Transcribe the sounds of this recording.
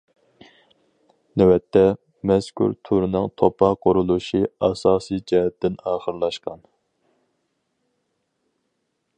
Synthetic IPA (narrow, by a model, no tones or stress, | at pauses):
nɛwɛt̪ʰːɛ | mɛskʰʲṵɾt̪ʰuɾnɨŋt̪ʰopʰɑqʊɾulˠuʃiɑsɑːsɨjd͡ʒɛɦɛt̪ːɪnɑːχəɾlˠɑʃqɑn